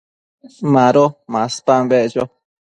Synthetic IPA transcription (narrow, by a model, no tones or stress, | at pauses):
mãɾomãspambeʔʒo